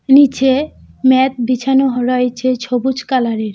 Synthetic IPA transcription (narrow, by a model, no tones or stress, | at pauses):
nit͡ɕʰe | mɛt̪̚bit͡ɕʰanoɦɾɔet͡ɕʰet͡ɕʰobut͡ɕkalaɾeɾ